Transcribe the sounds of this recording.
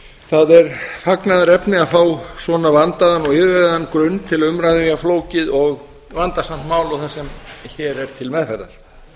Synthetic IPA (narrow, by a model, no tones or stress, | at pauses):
θaðɛɾfaknaðaɾɛpnɪaðfaːwsvɔːnavant̪aðanːɔɣɪðvɛɣðaðanːkɾʏnːt̪ʰɪlʏmɾaðvijafloːwcɪðɔɣ | vant̪asam̥t̪maːwlɔwθasɛmçɛːɾɛɾ̥t̪ʰɪlmɛðfɛɾða̰ɾ̥